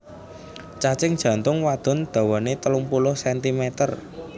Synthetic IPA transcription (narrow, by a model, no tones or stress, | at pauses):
t͡ʃat͡ʃɪŋd̥ʒ̥a̤nt̪ʊŋwad̪̥ɔ̤nd̪̥a̤wɔnet̪əlʊŋpulʊhsɛnt̪imɛt̪ər